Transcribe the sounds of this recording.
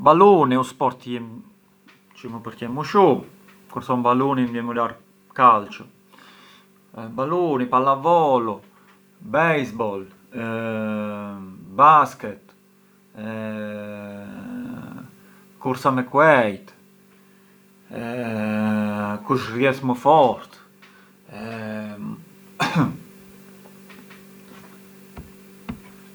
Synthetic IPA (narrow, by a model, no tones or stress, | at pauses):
baluniuspɔɾt̪jim | t͡ʃimupəɾcɛmuʃu | kuɾsɔmbaluninvjɛmulaɾ | kalt͡ʃɔ | balunipalavɔlu | bɛjsbɔl | baskɛt̪ | kuɾsaməkwɛjt̪ | kuʃrjɛsmɔfɔɾt̪